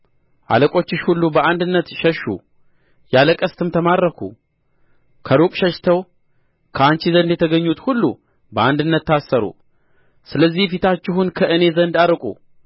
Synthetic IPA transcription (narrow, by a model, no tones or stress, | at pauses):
ʔa̰ləkʼo̞t͡ʃːɪʃhulːubəʔand̪ɨnːət̪ʃəʃːṵ | jaləkʼəst̪ʰɨmt̪ʰəmaɾːəkʰṵ | kʰəɾukʼʃəʃt̪ʰəw | kʰəant͡ʃizənd̪jɛt̪ʰəɡəɲːut̪hulːṵ | bəand̪ɨnːət̪ːasːəɾṵ | sɨləzːihfit̪ʰat͡ʃːɪɦunkʰəʔɨne̞zənd̪aɾɨkʼṵ